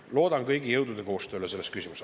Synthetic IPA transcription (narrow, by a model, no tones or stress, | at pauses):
lo̞ːd̪̥ɑnkɤjɡ̥ijɤwd̪ud̪̥e̞ko̞ːst̪øːlese̞lːest̪̚kysʲimus